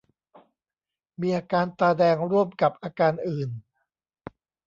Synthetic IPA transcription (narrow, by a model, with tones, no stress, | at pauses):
miː˧ʔaː˧kaː˧nt̪aː˧dɛː˧ŋɾu˥˩əmka˨˩p̚ʔaː˧kaː˧nʔɯː˨˩n